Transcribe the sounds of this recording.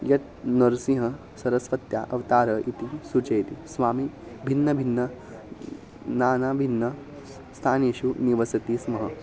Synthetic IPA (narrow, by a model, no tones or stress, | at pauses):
jɐt̪̚ | nɐɾsĩɦɐ̃ | sɐɾɐsʋɐt̪ja̰ʔɐʋt̪aːɾəit̪isut͡ʃɐjt̪isʋaːmi | bʱinːɐbʱinːɐ | naːnabʱinːɐ | st̪ʰaːneːɕuniʋɐsɐt̪iːsmɐɦɐ